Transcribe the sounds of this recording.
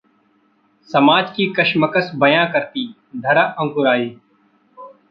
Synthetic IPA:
sɐmaːd͡ʒkikɐʃməkəsbɐjãkəɾt̪i | d̪ʱɐɾaʔə̃ŋkʊɾaːiː

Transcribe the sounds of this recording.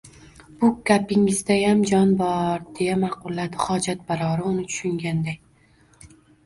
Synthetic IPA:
b̥ʊkʲʰapɪŋɪzd̪ajamd͡ʒɒnbɒɾd̪̥e̞jamɑqʊlˠːad̪ɪχɒd͡ʒat̪̚baɾɒɾɪʊnɪt͡ʃ̪ʰʊ̥ʃʊŋɡʲand̪ajʲ

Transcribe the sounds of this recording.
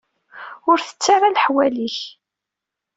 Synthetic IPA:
ʊɾθə̥t͡sːɪrˤalħwæliç

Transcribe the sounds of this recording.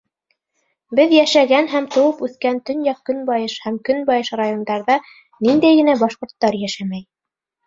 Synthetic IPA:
bɘðjæʃæɡænɦæmt̪ŏwɤpʉθkænt̪ɵ̆njɑkːɵ̆nbɑjɤʃhæmkɵnbɑjɤʃrajond̪ɑɾðɑ | nind̪æjɡɘ̆næbɑʃqŏɾt̪ːɑɾjæʃæmæj

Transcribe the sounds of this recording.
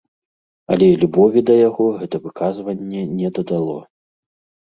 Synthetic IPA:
ɐlʲɛlʲubɔvʲid̪ɐjaɣɔɣɛt̪ɐvɨkazvɐnʲːɛnʲɛd̪ɐd̪alˠɔ

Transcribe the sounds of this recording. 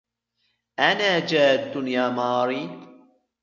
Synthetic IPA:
ʔanaːd͡ʒaːd̪ːʊnjaːmɑːɾiː

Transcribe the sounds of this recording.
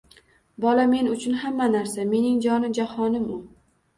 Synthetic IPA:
bɒlame̞nʊt͡ʃʰʊnɦamːanaɾsame̞nɪŋd͡ʒɒnɪd͡ʒahɒnɪmʊ

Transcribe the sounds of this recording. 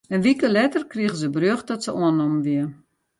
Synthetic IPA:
ənʋikəlɛtərkriəɣəzəbrøxdɔtsəuənɔmʋiə

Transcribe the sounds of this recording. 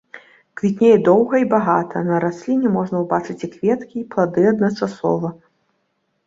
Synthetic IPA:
kvʲit̪ʲnʲejɛd̪ɔwɣɐibaɣat̪ʰɐnɐɾasʲlʲinʲɛmɔʐnɐwbat͡ʂɨt͡sʲikvʲɛt̪kʲiːplˠad̪ɨɐd̪nɐt͡ʂasɔ̰vɐ

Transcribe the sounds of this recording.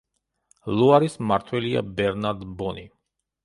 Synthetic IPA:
luaɾismaɾt̪ʰwɛlia̰bɛɾnaɾd̪bɔni

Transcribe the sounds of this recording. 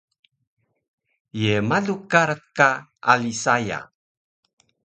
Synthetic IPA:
jemaɮukaɾəkaalisaja̰

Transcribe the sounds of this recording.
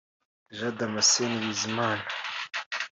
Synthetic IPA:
ʒadamaseniβizimaːna

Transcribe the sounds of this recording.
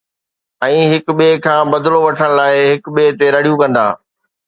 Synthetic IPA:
ɛ̃ːɦɪkɓeːkʰãːbɐd̪loʋɐʈʰəɽ̃laːɪɦɪkɓeːɦt̪eɾɐɽ̤ijũkɐ̃nd̪a̰ː

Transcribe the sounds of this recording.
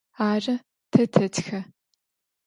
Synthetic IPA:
aːrɐ | tʰɐtʰɐtxɐ

